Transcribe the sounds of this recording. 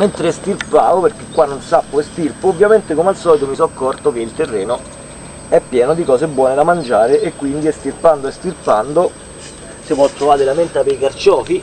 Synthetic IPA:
ment̪ɾest̪irpaːvoperk̟ekːwanːonsapːoest̪irpoːvːjament̪ekomalsɔːlit̪omisɔkːɔrt̪ok̟eilt̪erːɛːno | ɛpːjɛːnod̪ikɔːsebwɔːned̪amand͡ʒaːɾeʔekːwind̪iɛst̪irpand̪oest̪irpand̪o | sipwɔt̪ːɾovaːɾelament̪apeikart͡ʃɔːfi

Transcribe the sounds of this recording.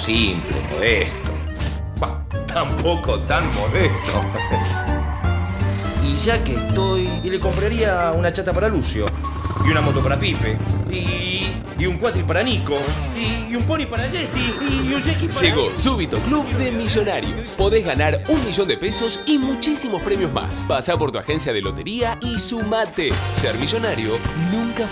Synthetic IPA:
simplḛmo̰ðest̪o̰ | ba | t̪ʰampokot̪anmoðest̪o̰ | iʒakest̪ojleko̞mpɾaɾiaunat͡ʃat̪apaɾalusjo | iunamot̪o̞paɾapipeiː | uŋkwat̪ɾipaɾanikoiumponipaɾaʒesiunʒekiʒeɣo̞suβit̪okluβðemizjo̞naɾjoospoðezɣanaɾunmiʒo̞nd̪e̞peso̞simut͡ʃisimo̞spɾe̞mjozma̰spasapo̞ɾt̪uaxe̞nsjaðelo̞t̪eɾiaisumat̪esɛɾmiʒo̞naɾjonũŋka

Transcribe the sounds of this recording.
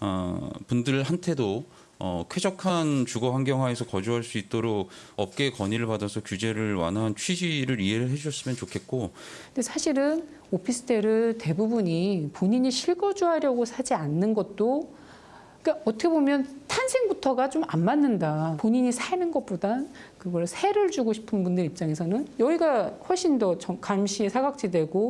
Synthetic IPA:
ʌ̰pundɯɭɦantʰe̞do | ʌ̰kʰe̞d͡ʑʌkʰant͡ɕuɡʌɦaŋɡjʌŋɦaesʰʌkʌd͡ʑuɦaɭs͈uit̚t͈oɾok̚ʌp̚k͈e̞kʌɲiɾɯɭpadʌsʰʌkjud͡ʑe̞ɾɯɭwa̰nant͡ɕʰɥid͡ʑiɾɯɾie̞ɾɯɭɦe̞d͡ʑuɕʰʌs͈ɯmjʌnt͡ɕokʰe̞t̚k͈ondesʰaɕʰiɾɯn | opʰisʰɯ̥tʰeɾɯɭte̞bubuɲipoɲiɲiɕʰiɭɡʌd͡ʑuɦaɾjʌɡosʰad͡ʑianːɯnɡʌt̚t͈o | ik͈aʌtʰʌkʰe̞bomjʌntʰansʰeŋbutʰʌɡat͡ɕomammanːɯndapoɲiɲisʰainɯnɡʌp͈odankɯɡʌɭsʰeɾɯɭd͡ʑuɡoɕʰi̥pʰɯnbundɯɾip̚t͡ɕ͈aŋe̞sʰʌnɯnjʌiɡaɸwʌɭɕ͈indʌt͡ɕʌkamɕʰiesʰaɡak̚t͡ɕ͈ide̞ɡo

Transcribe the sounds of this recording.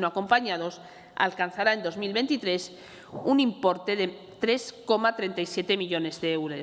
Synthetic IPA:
noako̞mpaɲað̞o̞s | a̰lkan̟θaɾae̞nd̪o̞zmilβe̞nt̪it̪ɾe̞s | unimpo̞ɾt̪e̞ðe | t̪ɾe̞sko̞mat̪ɾe̞nt̪ajsje̞t̪e̞miʎo̞ne̞zðeewɾe

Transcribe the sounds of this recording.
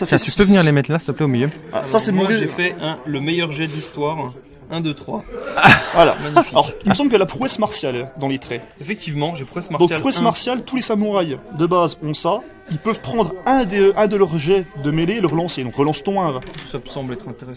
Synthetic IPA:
safɛt̪ypøvəniʁlemɛt̪lassaplɛomiljøa̰ɔ̰ʁsasɛmʒefɛɛ̃ləmejœʁʒɛd̪list̪waːʁ | ɛ̃d̪ət̪χwa | vwala̰maɲifialɔʁilməs̬ɑ̃bləkəlapχuɛsmaʁsjald̪ɑ̃let̪χɛefɛk̚t̪ivmɑ̃ʒepχuɛsmad̪ɔ̃kpʁχuɛsmaʁsjalt̪ulesamuʁajd̪əbazɔ̃sa | ilpœvpχɑ̃d̪ʁɛ̃d̪eʔɛ̃d̪əlœʁʒɛd̪əmeleːləʁəlɑ̃sed̪ɔ̃kʁəlɑ̃st̪ɔ̃ɛ̃ʁusasɑ̃blɛt̪χɛ̃t̪eʁɛs

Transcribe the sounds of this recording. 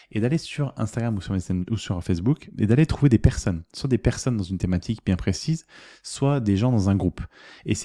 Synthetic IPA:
ed̪alesyʁɛ̃st̪aɡʁamusyʁmɛsɛusyʁfezbukḛd̪alet̪χuved̪epɛʁsɔnswad̪epɛʁsɔnd̪ɑ̃zynt̪emat̪ʰikbjɛ̃pχesizswad̪eʒɑ̃d̪ɑ̃zɛ̃ɡʁupes

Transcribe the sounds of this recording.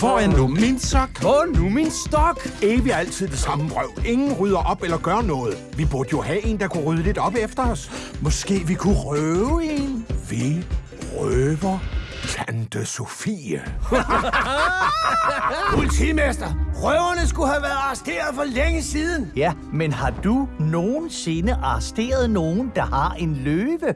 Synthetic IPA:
fɒænuminsɒɡ̥numinsd̥ɒɡ̥eːʋiæl̰t͡sʰið̞̰ˠd̥e̝sɑ̈mə̥ʁœʊ̰e̝ŋn̩ʁyð̞ˠɐʔɒ̽b̥elɐɡ̥ɶːɐnɔ̽ːð̞̩ˠʋib̥uɐd̥əjo̝hæe̝ːnd̥ɑ̈kʰuʁyð̞ˠəle̝d̥ɒ̽b̥efd̥ɐɒ̽smɒ̽sɡ̥e̝̰ːʋikʰuʁøʊe̝nʋi | ʁøːʋɐt͡sʰænd̥əsofiæ | pʰulit͡sʰimesd̥ɐʁœʊɐnəsɡ̥uhæʋæɐð̩ˠɑ̈ːsd̥e̝̰ːɐð̩ˠfɒleŋəsiːðˠn̩jæ | menhɑ̈d̥uno̝ːn̩se̝nəʔɑ̈sd̥e̝̰ːɐð̞ˠno̝ːn̩d̥ɑ̈hɑ̈ʔe̝nløːʋə

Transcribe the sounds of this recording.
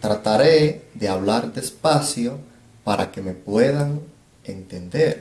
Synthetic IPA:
t̪ɾat̪aɾeðeaβlaɾd̪espasjo | paɾʔa̰kemepweð̞aŋ | ent̪end̪eɾ

